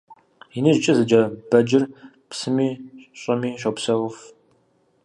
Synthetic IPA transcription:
jinɨʒt͡ʃʼɐzɨd͡ʒɐb̥ɐd͡ʒɪr | psɨmiːɕʼɐmiːɕʷʼopsɐʁʊf

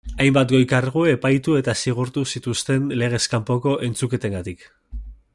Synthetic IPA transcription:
ajmbat̪ɡo̞jkarɣue̞pajt̪ue̞t̪asiɣ̞uɾt̪usit̪ust̪e̞nle̞ɣ̞e̞skampo̞ko̞ʔe̞nt͡suke̞t̪eŋɡat̪ik

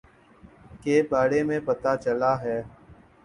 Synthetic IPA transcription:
keːbaːɽeːmẽpət̪aːt͡ʃəlaːɦɛː

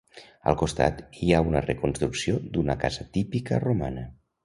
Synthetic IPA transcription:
ə̰lˠkust̪a̰t̪iaunərəkunst̪ɾuksiod̪unəkazət̪ipikəromanə

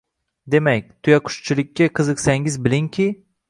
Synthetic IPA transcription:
d̪e̞makʲt̪ʰʊjaqʰʊ̥ʃt͡ʃʰɪlɪkʲːaqʰɨzɨqsaŋɪzbɪlɪŋkʲʰi

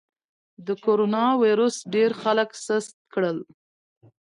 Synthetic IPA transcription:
d̪əkoɾonɑwiɾosɖeɾxaləksəst̪̚kɽəl

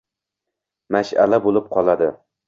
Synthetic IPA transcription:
maʃa̰labolˠɪp̚qʰɒlˠad̪ɪ

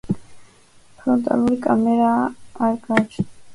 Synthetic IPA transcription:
fɾɔnt̪ʼa̰luɾikʼamɛɾaːɾɡat͡ʃ̪ʰ

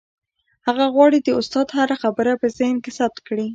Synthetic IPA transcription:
haɣaɣwɑɽid̪əʊst̪ɑd̪haɾaxabəɾapəzɑjnkesab̚t̪̚kɽi

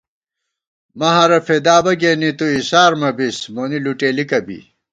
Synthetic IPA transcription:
mɐɦɐɾɐfed̪aːbɐɡeːnit̪uisaːɾmɐbismoːniluʈeːlikɐbḭ

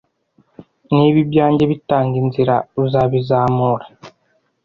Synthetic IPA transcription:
niβibjaːɲɟeβitaːŋɡinziɾauzaβizaːmoɾa

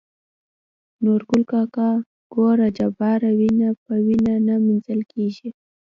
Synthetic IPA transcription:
noɾɡʊlkɑkɑ | ɡ̥oɾad͡ʒabɑɾawinap̚əwinanaminzəlkʰeʒi

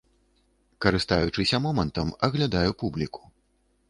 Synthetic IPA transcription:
kɐɾɨst̪ajut͡ʂɨsʲɐmɔmɐnt̪ɐmɐɣlʲad̪ajupublʲiku̥

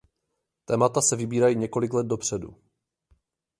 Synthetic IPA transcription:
t̪ɛːmat̪asɛvɪbiːɾajiːɲɛko̞lɪklɛd̪̚do̞pr̝̥ɛdṵ

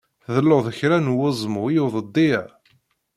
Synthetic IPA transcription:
ðəlːoʁðəçɾænwəzˤmʊjuðˤəd̪ːi

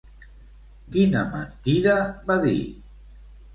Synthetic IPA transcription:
kinama̰nt̪iðaβaðḭ

